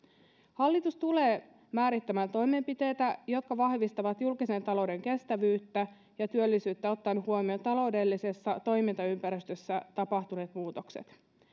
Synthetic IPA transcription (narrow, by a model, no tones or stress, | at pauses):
hɑlːit̪ust̪ule̞ː | mæːɾit̪ːæmænt̪o̞jme̞mpit̪e̞ːt̪æjo̞t̪kɑʋɑhʋist̪ɑʋɑt̪julkise̞nt̪ɑlo̞wde̞ŋke̞st̪æʋyːt̪ːæ | jɑt̪yølːisyːt̪ːæo̞t̪ːɑnːuhuomio̞t̪ɑlo̞wde̞lːise̞sːɑt̪o̞jmint̪ɑympæɾist̪øsːæt̪ɑpɑht̪une̞ːt̪muːt̪o̞ksḛt̪